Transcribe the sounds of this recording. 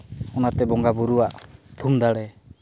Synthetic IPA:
ɔnat̪ɛbɔŋɡabuɾuwaʔt̪ʰumd̪aɽɛ

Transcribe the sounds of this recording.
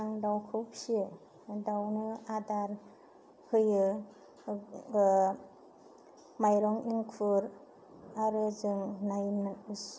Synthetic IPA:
aŋdawkʰɯwp̚siɯ | dawnɯadaɾ | hʰɯjɯ | majɾɔŋiŋkʰuɾ | aɾɯzɯŋnajnaɯs

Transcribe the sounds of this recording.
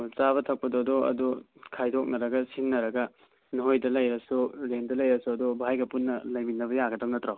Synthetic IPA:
t͡ʃaβɐtʰɐk̚pɐdodɔɐ̰dɔkʰajdʰok̚nɐɾɐɡɐsinːɐɾɐɡɐ | noɦojdɐlɐjɾɐsuɾendɐlɐjɾɐsuɐdɔbʱajɡɐpunːɐlɐjminɐβɐjaɡɐdaŋnɐt̪ɾaw

